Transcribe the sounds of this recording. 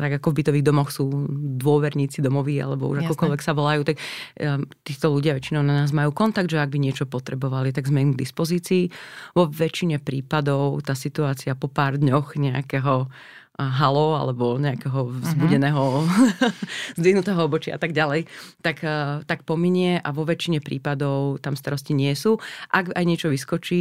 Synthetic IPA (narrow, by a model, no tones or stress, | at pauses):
t̪aɡakɔvbit̪ɔʋiːɣd̪ɔmɔxsuːd̪ʋʊɔʋɛɾɲiːt͡sid̪ɔmɔʋiːa̰lɛbɔ̰ṵʒakɔkɔlʋɛksaʋɔlajuːt̪ak | t̪iːt̪ɔluɟɪaʋɛt͡ʃinɔʊnanaːzmajuːkɔnt̪aɡd̪ʒɛaɡ̚biɲɪɛt͡ʃɔpɔt̪ɾɛbɔʋalit̪aɡzmɛimɡd̪ispɔziːt͡siːʋɔʋɛt͡ʃiɲɛpɾiːpad̪ɔʊt̪aːsit̪uaːt͡siapɔpaːɾd̪ɲɔxɲɛa̰kɛɦɔ | ɦalɔa̰lɛbɔɲɛakɛɦɔzzbuɟɛnɛːɦɔ | zd̪iɦnut̪ɛːɦɔɔbɔt͡ʃɪaʔa̰t̪aɡ̚ɟalɛjt̪akːt̪akpɔmiɲɪɛʔaʋɔʋɛt͡ʃiɲɛpɾḭːpad̪ɔʊt̪amst̪aɾɔsciɲɪɛsuːʔaɡajɲɪɛt͡ʃɔʋiskɔt͡ʃiː